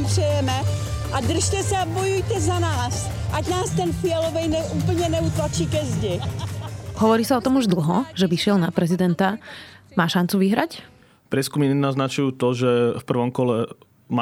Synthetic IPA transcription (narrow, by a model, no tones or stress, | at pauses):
pr̥ɛjɛmɛ | ad̪r̩ʃcɛsɛabɔjujt̪ɛzanaːs | ʔaɟnaːst̪ɛnfɪɛlɔvɛjnɛʔuːpl̩ɲɛnɛut̪lat͡ʃiːkɛzɟɛ | ɦɔʋɔɾiːsaɔt̪ɔmuʒd̪l̩ˠɦɔʒɛʋiʃɪɛlnapɾɛzid̪ɛnt̪amaːʃant͡suʋiɦɾac | pɾɛskumiɲɛnaznat͡ʃujuːt̪ɔʒɛfpr̩ʋɔmkɔlɛ | ma